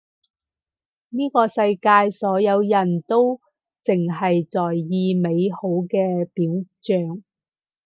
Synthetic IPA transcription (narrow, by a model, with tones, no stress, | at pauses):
niː˥kɔː˧sɐ˧jkaː˧jsɔː˨˥jɐ˨˧wjɐ˨˩nt̪o˥w | t͡sɪ˨˩ŋɦɐ˨jt͡sɔː˨˩jjiː˧me˨˧jho˨˥wkɛː˧piː˨˥wt͡ʃœː˨˧ŋ